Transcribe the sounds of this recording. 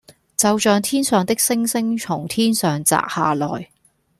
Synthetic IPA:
t͡sɐ˨˧wt͡ʃœː˨˧ŋt̪ʰiː˥nsœː˨ŋt̪ɪ˥k̚sɪ˥ŋsɪ˥ŋt͡ʃʰʊ˨˩ŋt̪ʰiː˥nsœː˨˩ŋt͡sa̰ː˨k̚ha̰ː˨lɔː˨˩j

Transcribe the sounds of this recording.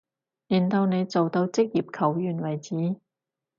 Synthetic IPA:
jiː˨˩nt̪ɐ˧wne˨˧jt͡so˨wt̪o˧wt͡sɪ˥k̚jiː˨p̚kʰɐ˨˩wjyː˨˩nwɐ˨˩jt͡siː˨˥

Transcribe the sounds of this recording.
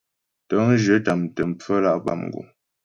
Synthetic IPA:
tə˦ŋ˦ʒə˨˦ta˨m̩˨tə˨m̩˨p͡fə˦la˦ʔba̰˦˨mŋ̩˨ɡṵ˨

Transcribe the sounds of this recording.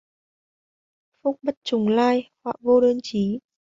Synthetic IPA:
fʊ˦˥k͡p̚ɓə˦˥t̚t͡ɕʊ˨˩ŋ͡mlaː˧jhwa̰ː˧˨vo˧ɗəː˧nt͡ɕi˨˦

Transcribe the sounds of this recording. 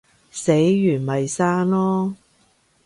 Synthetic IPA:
se˨˥jːyː˨˩nmɐ˨jsaː˥nlɔː˥

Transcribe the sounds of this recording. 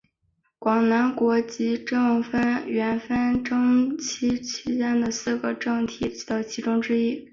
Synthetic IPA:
kwɑ˨˩ŋna˧˥nkwɔ˧˥t͡ɕi˧˥ʈ͡ʂɤ˥˩ŋfə˥nɥɛ˧˥nfə˥nʈ͡ʂɤ˥ŋt͡ɕʰi˥t͡ɕʰi˥t͡ɕjɛ˥nd̪ə˨sɹ̩˥˩ɡə˩ʈ͡ʂɤ˥˩ŋt̪ʰi˨˩˧t̪ə˨˩t͡ɕʰi˧˥ʈ͡ʂʊ˥ŋʈ͡ʂɻ̩˥i˥

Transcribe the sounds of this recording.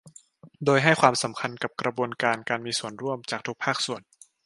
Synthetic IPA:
doː˧jɦa˥˩jkwaː˧msa˩˦mkʰa˧nka˨˩p̚kɾa˧buː˧ənkaː˧nkaː˧nmiː˧su˨˩ənɾu˥˩əmt͡ɕaː˨˩k̚t̪ʰu˦˥k̚pʰaː˥˩k̚su˨˩ən

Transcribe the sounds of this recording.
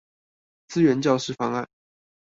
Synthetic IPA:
t͡sɹ̩˥ɥɛ˧˥nt͡ɕjɑ˥˧ʊʂɻ̩˥˩fɑ˥ŋa˥˩n

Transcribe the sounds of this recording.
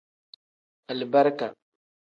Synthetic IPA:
a˨lba˦ɾka˨

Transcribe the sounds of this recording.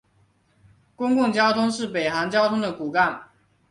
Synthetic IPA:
kʊ˥ŋkʊ˥˩ŋt͡ɕjɑ˥ʊt̪ʰʊ˥ŋʂɻ̩˥˩pe˨˩ɪxa˧˥nt͡ɕjɑ˥ʊt̪ʰʊ˥ŋd̪ə˨ku˨˩ka˥˩n

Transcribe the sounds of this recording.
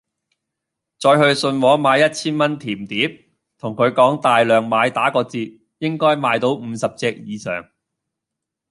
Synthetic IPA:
t͡sɔː˧jhɵ˧ɥsɵ˧nwɔː˨˥maː˨˧jːɐ˥t̚t͡sʰiː˥nmɐ˥nt̪ʰiː˨˩mt̪iː˨˥p̚ | t̪ʰʊ˨˩ŋkʰɵ˨˧ɥkɔː˨˥ŋt̪aː˨jlœː˨˩ŋmaː˨˧jt̪aː˨˥kɔː˧t͡siː˧t̚ | jɪ˥ŋkɔː˥jmaː˨˧jt̪o˨˥wm̩ː˨˧sɐ˨p̚t͡sɛː˧k̚jiː˨˧sœ̰ː˨˩ŋ

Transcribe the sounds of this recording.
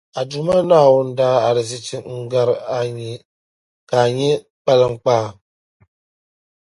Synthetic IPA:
a˨du˨ma˦na˦˨wu˦n̩˦da˦a˨ɾi˨zi˦t͡ʃi˦ŋŋ̩˦ɡa˦ɾa˨ɲi˨ | ka˨ɲi˦ | k͡pa˦lə˨ŋ̩˦k͡pa˦˨

